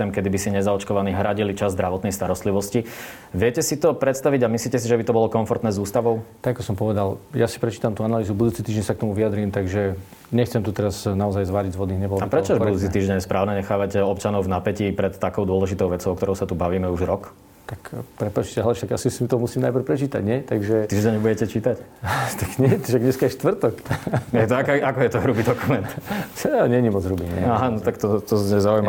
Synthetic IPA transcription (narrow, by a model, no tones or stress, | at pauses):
ɛmkɛd̪ibisiɲɛzaɔt͡ʃkɔʋaniːɦɾaɟilit͡ʃazzd̪ɾaʋɔt̪nɛjst̪aɾɔst̪liʋɔsci | ʋɪɛcɛsit̪ɔpɾɛt̪st̪aʋiɟamisliːcɛs̬iʒɛbit̪ɔbɔlɔkɔɱfɔɾt̪nɛːzuːst̪aʋɔʊt̪aɡakɔsɔmpɔʋɛd̪aljasi̥pɾɛt͡ʃiːt̪amt̪uanaliːzubud̪uːt͡sit̪iːʒɟɛɲnsak̚t̪ɔmuʋiad̪ɾiːmt̪aɡʒɛ | ɲɛxt͡sɛmt̪ut̪ɛɾaznaɔzajzʋaːɾiɟzʋɔd̪niːɲɛbɔlɔaipɾɛt͡ʃɔaʒbud̪uːt͡sit̪iːʒɟɛɲɛspɾaːʊnɛɲɛxaːʋaɟɔpt͡ʃanɔʊvnapɛcipɾɛt̪ːakɔʊd̪ʊɔlɛʒit̪ɔʊʋɛt͡sɔʊɔkt̪ɔɾɔʊsat̪ubaʋiːmɛuʒɾɔk | t̪akpɾɛpat͡ʃcɛɦɛlɛʃaɡjasisiut̪ɔmusiːmnajpr̩pɾɛt͡ʃiːt̪a̰ɟɲɛt̪aɡʒɛt̪iːʒɟɛɲbuɟɛcɛt͡ʃiːt̪act̪aɡɲɛt̪ʃaɡɲɛskaɛʃt̪ʋr̩t̪ɔkjɛt̪ɔakakɔjɛt̪ɔɦɾubid̪ɔkumɛnt̪aɲɛɲimɔd͡zɦɾubiɲɛ̰aɦanɔt̪akt̪ɔt̪ɔzɲɛzaujma